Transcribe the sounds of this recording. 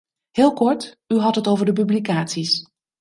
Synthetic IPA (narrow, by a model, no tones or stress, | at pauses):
hɪːlˠkɔɹt | yɦɑtɦətowvəɹdəp̬yblikaːtsis